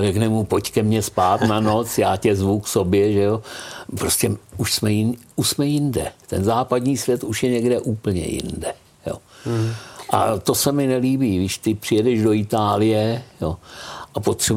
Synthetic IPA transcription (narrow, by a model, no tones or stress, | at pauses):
rɛknɛmupo̞ckɛmɲɛspaːt̪nano̞t͡sjaːcɛzvukso̞bjɛʒɛjopɾoscɛuʃsmɛjɪnuʃsmɛjɪndɛ̰t̪ɛnzaːpad̪ɲiːsvjɛt̪uʃjɛɲɛɡdɛʔuːpl̩ɲɛ̰jɪ̰ndɛ | jo̞̰ | ʔa̰t̪o̞sɛmɪnɛliːbiːɡɪʃt̪ɪpr̥ɪjɛdɛʒdo̞ɪt̪aːlɪjɛjo̞ʔapot̪r̥ɛ